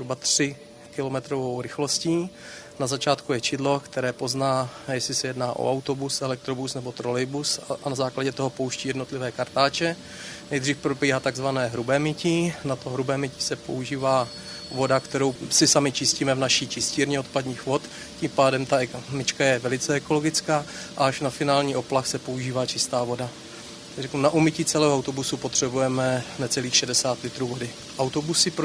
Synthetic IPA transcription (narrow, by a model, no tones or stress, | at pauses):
ɾubat̪r̥ɪ | kɪlomɛt̪ɾovowɾɪxlo̞sciː | nazat͡ʃaːt̪kujɛt͡ʃɪdlo̞kt̪ɛɾɛːpo̞znaːjɛslɪsɛjɛdnaːʔo̰ʔawt̪o̞busɛlɛk̚t̪ɾobusnɛbo̞t̪ɾolɪjbusaanazaːklaɟɛt̪oɦo̞po̞wʃciːjɛdno̞t̪lɪvɛːkaɾt̪aːt͡ʃɛ | nɛjd̪riːfpɾobiːɦaːt̪aɡzvanɛːɦɾubɛːmɪcɪnat̪oɦɾubɛːmɪcɪ̥sɛpo̞̰uʒiːvaː | vo̞dakt̪ɛɾo̞wsɪsamɪt͡ʃɪsciːmɛvnaʃiːt͡ʃɪsciːɾɲɛot̪padɲiːxvo̞t̪ | ciːmpaːdɛmt̪amɪt͡ʃkajɛvɛlɪt͡sɛɛko̞lo̞ɡɪt͡skaːʔaaʃnafɪnaːlɲiːʔoplaxsɛpo̞uʒiːvaːt͡ʃɪst̪aːvo̞da | rɛknunaʔumɪciːt͡sɛlɛːɦoawt̪o̞busupot̪r̝̥ɛbujɛmɛnɛt͡sɛliːxʃɛdɛsaːt̪lɪt̪ɾuːvo̞dɪ | ʔawt̪obusɪpɾ